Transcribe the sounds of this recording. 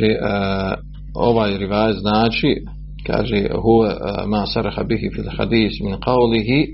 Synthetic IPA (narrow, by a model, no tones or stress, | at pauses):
eːʔ | oʋaːjɾiʋaːjaznaːt͡ʃi | ka̰ːʒeːɦuwemaːsɑɾˤɑhabɪɦifilxa̰d̪iːsmɪnqɑwlɪɦi